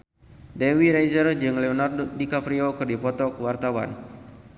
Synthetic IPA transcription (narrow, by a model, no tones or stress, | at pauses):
dewiɾajzərd͡ʒɨŋlɛɔnardikapɾiokɨrdipɔt̪ɔkəwart̪awa̰n